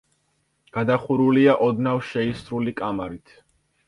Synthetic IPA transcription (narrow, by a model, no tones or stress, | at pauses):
ɡ̥ad̪aχuɾuliaʔɔd̪navʃɛisɾulikʼamaɾit̪ʰ